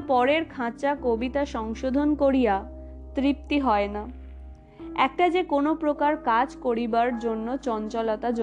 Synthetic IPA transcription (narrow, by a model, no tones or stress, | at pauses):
pɔɾeɾkʰãt͡ɕakobit̪aʃɔŋʃod̪ʱonkoɾija | t̪ɾip̚t̪iɦɔena | ɛk̚ʈad͡ʑekonopɾokaɾkad͡ʑkoɾibaɾd͡ʑonːot͡ɕɔnt͡ɕɔlat̪ad͡ʑo